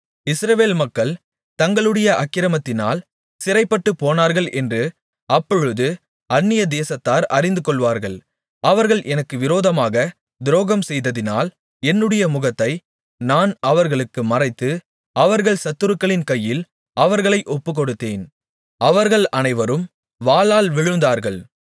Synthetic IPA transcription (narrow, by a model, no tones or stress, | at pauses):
ɪsɾɐʋeːlmɐkːɐɭ | t̪ɐŋɡɐɭɯɽɐjɐʔɐkːɪɾɐmɐt̪ːɪna̰ːl | sɪrɐɪpːɐʈːɯpːoːnaːɾɣɐɭʔɛndrɯ | ɐpːɔɻɯðɯ | ɐnːɪjɐd̪eːsɐt̪ːaːɾɐrɪnd̪ɯkɔɭʋaːɾɣɐɭ | ʔɐʋɐɾɣɐɭʔɛnɐkːɯʋɪɾoːðɐmaːɣɐ | d̪ɪɾoːɣɐmsɛjðɐðɪna̰ːl | ɛnːɯɽɐjɐmʊɣɐt̪ːɐɪ | naːnɐʋɐɾɣɐɭɯkːɯmɐrɐɪt̪ːɯ | ɐʋɐɾɣɐɭsɐt̪ːɯɾɯkːɐɭɪnkɐjːɪl | ʔɐʋɐɾɣɐɭɐɪʔɔpːɯkɔɽɯt̪ːeːn | ɐʋɐɾɣɐɭʔɐnɐɪʋɐɾɯm | ʋaːlaːlʋɪɻɯnd̪aːɾɣɐɭ